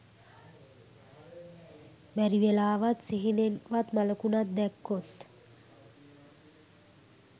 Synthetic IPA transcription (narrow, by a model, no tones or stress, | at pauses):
mæɾiʋelaːʋat̪siɦinenʋat̪maləkunat̪̚d̪ɛkːot̪